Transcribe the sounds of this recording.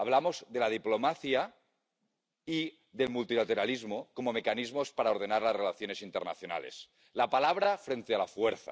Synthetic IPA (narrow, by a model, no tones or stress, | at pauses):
aβlamozðelað̞iplomaθja | i | ðe̞lmult̪ilat̪eɾalizmokomomekanizmospaɾaoɾð̞enaɾlazrelaθjone̞sint̪eɾna̰θjona̰lḛs | lapalaβ̞ɾafɾent̪ealafweɾθa̰